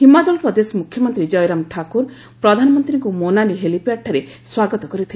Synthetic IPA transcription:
himad͡ʒɔlpɾɔd̪esɔmukʰːjɔmɔnt̪ɾid͡ʒɔjɾamʈʰakuɾ | pɾɔd̪ʱanɔmɔnt̪ɾiŋkumonaliɦelipaʈʰːaɾeswaɡɔt̪ɔkɔɾit̪ʰi

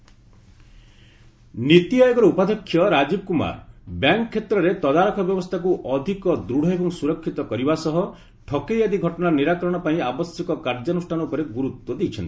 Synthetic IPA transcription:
nit̪iɔjɔɡɔɾɔupad̪ʱɔkʰːjɔɾad͡ʒibɔkuma̰ɾbjaŋkkʰːet̪ɾɔɾet̪ɔd̪aɾɔkʰɔbjɔbɔst̪ʰak̬uʔɔd̪ʱikɔd̪ɾuɽ̤ʱɔjbɔŋsuɾɔkʰːit̪ɔkɔɾibasɔɦɔ | ʈʰɔkejad̪iɡʱɔʈɔnaniɾakɔɾɔɽ̃ɔpaĩabɔsjɔkɔkaɾd͡ʒɔnusʈʰanɔupɔɾeɡuɾut̪wɔd̪ejt͡ʃʰɔnt̪i̥

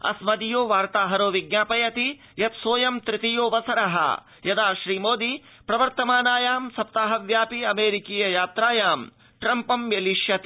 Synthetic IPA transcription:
ɐ̰smɐd̪ijoːʋaːɾt̪aːɦɐɾoːʋiɡɲaːpɐjɐt̪i | jɐt̪soːjɐmt̪ɾɪt̪ijoːʋɐsɐɾɐɦɐ̰ | jɐd̪aːʃɾiːmoːd̪i | pɾɐʋɐɾt̪ɐmaːnaːjaːmsɐp̚t̪aːɦɐʋjaːpiɐmeːɾikiːjɐjaːt̪ɾaːjaːm | ʈɾɐmpɐmjeliʃjɐt̪i

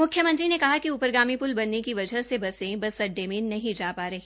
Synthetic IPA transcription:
mʊkʰjəmɐ̃nt̪ɾinekɐɦakiupəɾɡaːmipʊlbɐnːekiʋɐd͡ʒʱəɦsebɐsẽbɐsɐɖːemẽnɐɦĩd͡ʒaːpaːɾɐɦi

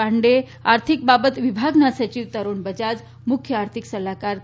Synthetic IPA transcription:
aɳɖe | aɾt̪ʰik̚babət̪ʋibʱaɡnasət͡ɕiːʋt̪əɾuːnbəd͡ʑad͡z | mukʰːjəaɾt̪ʰiksəlakaɾ

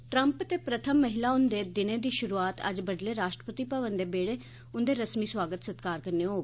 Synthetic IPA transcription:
ʈɾəmpət̪eːpɾət̪ʰəmːəɦɪlaːʊnd̪eːd̪ɪnẽːd̪iːʃʊɾuːaːt̪ə̰d͡ʒbəɖleːɾaːʃʈɾəpət̪iːpəʋənd̪eːbeːɽeː | ʊnd̪eːɾəsmiːswaːɡət̪sət̪kaːɾkəɾneːɦoːɡ

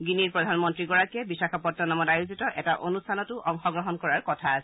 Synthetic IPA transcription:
ɡiniɹpɹɔdʱanmɔntɹiɡɔɹakɛbisakʰapɔtːɔnamɔtajuzitɔʔɛtaʔonustʰanɔtʊʔɔŋxɔɡɹɔɦɔnkɔɹaɹkɔtʰasɛ

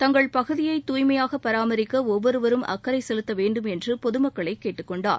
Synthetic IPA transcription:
t̪ɐŋɡɐɭpɐɣɯðɪjɐɪt̪ːuːjmɐjaːɣɐpːɐɾaːmɐɾɪkːɐɔʋːɔɾɯʋɐɾɯmʔɐ̰kːɐɾɐɪsɛlɯt̪ːɐʋeːɳɖɯmɛndrɯpɔðɯmɐkːɐɭɐɪkːeːʈːɯkːɔɳɖa̰ːɾ

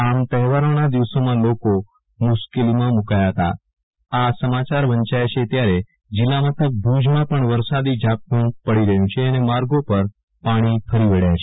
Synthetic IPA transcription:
amt̪əɛɦʋaɾəɳ̃ad̪iʋsomãloko | muʃkelimãmukajaɦət̪a̰ | asəmat͡ʃaɾʋəɲt͡ʃajat͡ʃʰet̪jaɾe | d͡ʒilamət̪ʰək̚bʱud͡ʒmãpəɳʋəɾsad̪id͡ʒʱak̚ũpəɽiɾəɦjũt͡ʃʰeənemaɾɡopəɾ | paɽ̃ifəɾiʋəɽjat͡ʃʰe

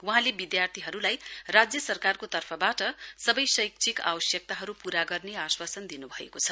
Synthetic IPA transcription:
wuɦãlebid̪jart̪ʰiɦʌɾulajrad͡zjʌsʌrkarkot̪ʌrpʰʌbaʈʌsʌbʌjsʌjk̚t͡sʰika̰bʌsjʌk̚t̪aɦʌɾupuɾaɡʌrneaswasʌnd̪inubʱʌḛkot͡sʰʌ

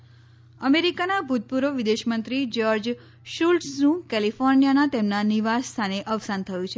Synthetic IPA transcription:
əmeɾikanabʱut̪̚puɾəʋid̪eʃmənt̪ɾid͡ʒɔɾd͡ʒ | ʃulʈũkɛlifoɾnijanat̪emnaniʋast̪ʰaneʔəʋsant̪ʰəjũt͡ʃʰe

